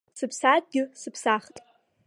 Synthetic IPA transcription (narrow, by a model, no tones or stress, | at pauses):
sɨpʰsad̚ɡʲɪsɨpʰsaχtʼ